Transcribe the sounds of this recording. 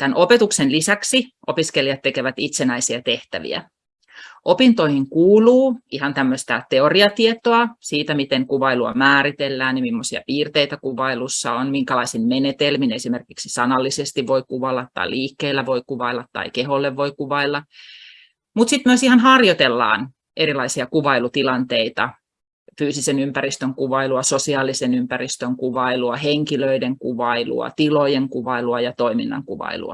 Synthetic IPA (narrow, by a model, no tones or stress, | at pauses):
t̪ænʔopet̪uksenlisæksiʔopiskelijɑt̪ːekeʋæt̪it̪senæisiæt̪eht̪æ̰ʋḭæ̰ | ʔopint̪oihiŋkuːluːihɑnt̪æmːøst̪æt̪eoriɑt̪iet̪oɑsiːt̪æmit̪eŋkuʋɑiluɑ̰mæːɾit̪elːæːnnimimːosiɑ̰piːrt̪eit̪ækuʋɑilusːɑ̰onmiŋkælɑisinmenet̪elminesimerkiksisɑnɑlːisest̪iʋʋoikuʋɑilːɑt̪ːɑ̰iliːkːeilːæʋoikuʋɑilˑːɑt̪tɑ̰ikeholːeʋʋoikuʋɑilːɑ | mut̪sit̪myøsihɑnhɑrjot̪elːɑ̰ːn | ʔeɾilɑisiɑkuʋɑilut̪ilɑnt̪eit̪ɑ̰ | fyːsisenympæɾist̪øŋkuʋɑiluɑsosiɑːlːˑisenympærist̪øŋkuʋɑiluɑheŋkiløideŋkuʋɑilṵɑ̰t̪ilojeŋkuʋɑiluɑjɑt̪oimḭnːɑ̰ŋkuʋɑ̰ilṵɑ̰